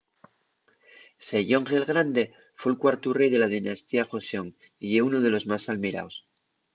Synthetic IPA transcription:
seʝo̞ŋɣe̞lɣɾand̪e̞ | fwelkwaɾt̪ure̞jðe̞laðinast̪iaxo̞seo̞ŋ | ieunoð̞e̞lo̞zmasalmiɾa̰ws

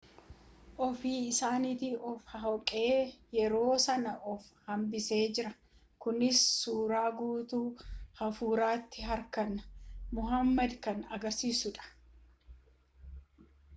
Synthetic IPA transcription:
ʔɔfiːɪsaːnɪt̪iɔfhɐɦɔkʼe̞ːjɛɾo̞ːsɐnɐʔɔfhɐmbɪse̞ːd͡ʒɪɾɐ | kʊnɪsːuːɾaːɡuːt̪uːhɐfuːɾaːt̪ːɪɦɐɾkɐnɐmʊɦɐmːɐd̪kɐnɐɡɐɾsiːsʊᶑɐ̥

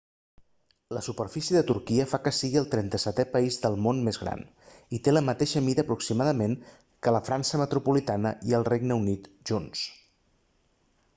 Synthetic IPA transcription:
ləsupəɾfisjiəðət̪uɾkiəfakəsiɣiəlˠt̪ɾɛnt̪əsɛt̪ɛpəizðəlˠmonmezɣɾa̰n | it̪eləmət̪eʃəmiðəːpɾuksimaðəmeŋ | kələfɾansəmət̪ɾupulit̪anəiəlˠreɡnəunit̪ʒ̥uns

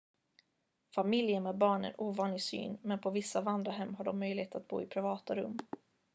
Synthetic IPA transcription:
famɪljənmɛːd̪̚bɑːɳə̰nʔuːvɑːnlɪɡsy̰ːnmɛnpʰɔvɪsːavand̪ɾaɦɛmːɦaɖɔmːœjlɪheːt̪at̪̚bṵːɪpʰɾɪvɑːt̪aɾɵ̰mː

